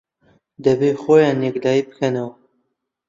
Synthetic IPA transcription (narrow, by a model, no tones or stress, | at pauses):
d̪ɛbexoːjɑːnjɛkd̪ɑːiːbɨ̥kʰɐnɐw